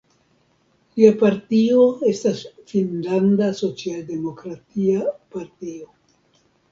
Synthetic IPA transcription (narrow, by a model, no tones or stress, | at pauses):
liapaɾtio̞e̞stasfinlandaso̞t͡sialde̞mo̞kɾatiapaɾtio̞